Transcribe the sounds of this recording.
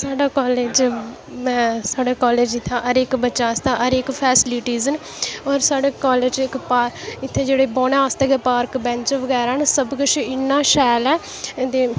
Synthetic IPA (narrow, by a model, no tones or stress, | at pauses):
saːɖaːkɔːleːd͡ʒ | mɛ̃ːsaːɖaːkaːleːd͡ʒɪt̪ʰːãːʔəɾekbətːʃaːst̪aːʔəɾekpʰɛːsliːʈiːzən | ɔːɾsaːɽeːkaːleːd͡ʒɪkpaːɪt̪ʰːẽːd͡ʒeːɽeːboːnãst̪eːɡeːpaːɾkbɛ̃ːnt͡ʃʋəɡɛːɾaːnsəbkət͡ʃʰɪnːãːʃɛːlɛː | t̪eː